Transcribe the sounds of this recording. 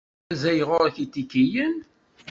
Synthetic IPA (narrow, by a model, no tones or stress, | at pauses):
zæjʁʊɾθit̪ːikːijən